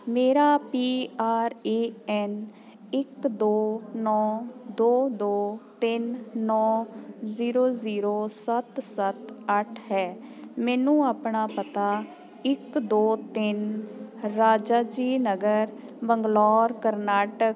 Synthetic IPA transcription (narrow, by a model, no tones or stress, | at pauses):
meːɾaːpiːaːɾeːɛːn | ɪkd̪oːnɔːd̪oːd̪oːt̪ɪnːɔːziːɾoːziːɾoːsət̪sət̪əʈʰɦɛːmɛːnũːaːpɳaːpət̪aː | ɪkd̪oːt̪ɪn | ɾaːd͡ʒaːd͡ʒiːnəɡəɾbəŋɡlɔːɾkəɾnaːʈək